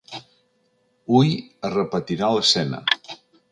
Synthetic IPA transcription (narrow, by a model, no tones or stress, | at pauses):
ujərəpət̪iɾaləsɛnə̰